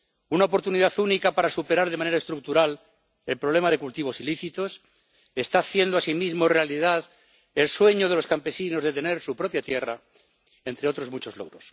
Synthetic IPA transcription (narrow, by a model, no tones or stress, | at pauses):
unao̞po̞ɾt̪uniðaθunikapaɾasupe̞ɾaɾðemãne̞ɾaest̪ɾuk̚t̪uɾal | e̞lpɾoβle̞maðe̞kult̪iβo̞siliθit̪o̞s | e̞st̪aːθje̞nd̪oasimizmoerealiðað | e̞lswe̞ɲo̞ð̞e̞lo̞skampe̞sino̞zðe̞t̪e̞ne̞ɾsupɾo̞pjat̪je̞ra̰ | ent̪ɾeo̞t̪ɾo̞zmut͡ʃo̞zloɣɾo̞s